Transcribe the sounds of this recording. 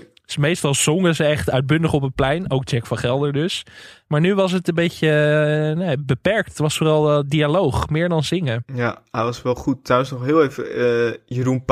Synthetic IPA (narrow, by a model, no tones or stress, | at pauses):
smejstɑlˠz̥ɔŋəzəɛχtœɥd̚bʏndəχɔpətplɛjnowk̚t͡ʃɛkfɑ̃nχɛlˠdəɹdøsmaːɹnyʋɑs̬ətənbejcənebəpɛɹk̚ttʋɑsfoːrɑlˠdialowχmɪːɹdɑnzɪŋəjaɦɛjʋɑsʋɛlˠχut̚trawənsnɔχɦɪːlˠejvəjəɾunp